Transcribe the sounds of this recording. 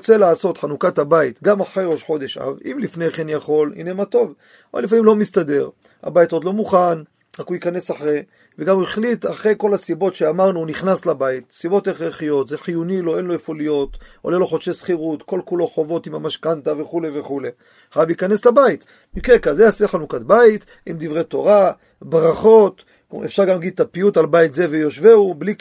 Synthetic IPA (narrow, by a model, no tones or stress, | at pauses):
ot͡se̞laːso̞t̪ħanukathabait̪ɡamaχʁejʁo̞ʃħo̞d̪e̞ʃa̰vimlifne̞χenjaχo̞lḭnemato̞v | olefamimlo̞mistade̞ʁ | a̰bajtod̪lo̞muχan | ʁakujikane̞saχʁe | veɡamueχlitaχʁe̞jko̞lasibo̞tʃeamaʁnuniχnaslabait̪sibo̞teχeχijo̞tzeħijunilo̞e̞nlo̞efolijo̞t̪o̰lelo̞χoʃesχiʁut̪ko̞lkulo̞χo̞vo̞t̪imamaʃkant̪aveχuleveχule̞ | χajavliːkane̞slabait̪ | mikekazeaseχanukat̪̚bait̪ | imd̪ivʁet̪o̞ʁa | bʁaχo̞t̪ | ḛfʃaʁɡamɡid̪̚t̪apijutalbait̪ze̞vejo̞ʃveubli